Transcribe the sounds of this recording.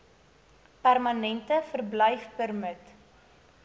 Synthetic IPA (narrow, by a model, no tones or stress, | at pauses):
pærmɐnɛntəfərbləjfpərmət